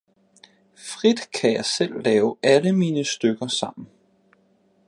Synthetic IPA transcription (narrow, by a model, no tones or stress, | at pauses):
fʁid̥kʰæjɑ̈ɪsel̰ːɛːʊæləmiːnəsd̥øɡ̥ɐsɑ̈m̰n̩